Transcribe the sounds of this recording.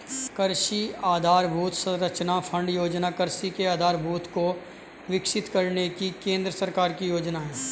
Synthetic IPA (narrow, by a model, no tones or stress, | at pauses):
kɐɾʃiaːd̪ʱaːɾbʱuːt̪ʰsəɾɐt͡ʃnapʰə̃ɳɖjoːd͡ʒnakəɾʃikeaːd̪ʱaːɾbʱuːt̪ko | ʋɪkʃɪt̪kɐɾnekikẽːnd̪ɾəsɐɾkaːɾkijoːd͡ʒnaɦɛː